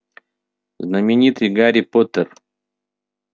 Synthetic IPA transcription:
znəmʲɪnʲit̪ɨjɡaɾʲɪpot̪ər

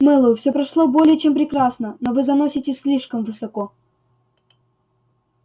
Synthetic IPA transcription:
mɛlˠəjʊfsʲopɾɐʂlˠobo̞lʲɪjət͡ɕempɾʲɪkɾasnənovɨzɐnosʲɪtʲɪsʲlʲiʂkəmvɨsɐko

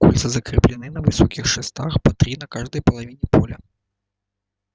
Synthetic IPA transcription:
kulʲt̪sɐzɐkɾʲɨplʲɪnɨnɐvɨsɔkʲixʂɛst̪axpɐt̪ɾʲinɐkaʐd̪ɐjpɐlˠavʲinʲɛpɔlʲɐ

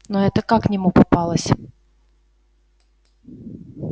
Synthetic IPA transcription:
nɔɛt̪əkaknʲɪmupɐpɑlˠəsʲ

